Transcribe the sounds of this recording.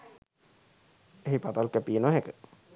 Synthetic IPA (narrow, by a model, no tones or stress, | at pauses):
eɦipat̪alkæpinoɦekə